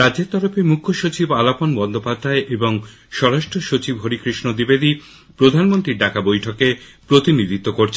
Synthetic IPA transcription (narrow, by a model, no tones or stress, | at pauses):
ɾad͡ʑeɾt̪ɔɾofemukʰːoʃot͡ɕibalaponbɔnd̪ʱopad̪ʱaeʔeboŋ | ʃɔɾaʃʈʰoʃot͡ɕibɦoɾikɾiʃnod̪ibed̪i | pɾod̪ʱanmont̪ɾiɾɖakabojʈʰokepɾot̪inid̪it̪ːokoɾt͡ɕʰen